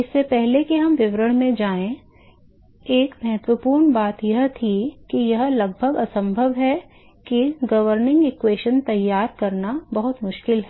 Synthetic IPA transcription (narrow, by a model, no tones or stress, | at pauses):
ɪsːepɛɦlekiɦɐmʋɪʋɾəɽ̃mẽd͡ʒaːẽ | eːkmɛɦət̪ʋəpuːɾɳbaːt̪jɐɦt̪ʰikijɐɦlɐɡ̚bʱəɡɐsə̃mbʱəʋɦɛ | kiɡɐʋəɾnɪ̃ŋɡɪkweːʃənt̪ɐjːaːɾkɐɾnabɐɦʊt̪mʊʃkɪlɦɛː